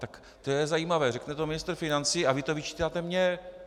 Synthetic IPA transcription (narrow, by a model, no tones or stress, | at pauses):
t̪ak | t̪ojɛzajiːmavɛːrɛknɛt̪omɪnɪst̪ɾ̩rfɪnant͡siːavɪt̪ovɪt͡ʃi̥ːt̪aːt̪ɛmɲɛ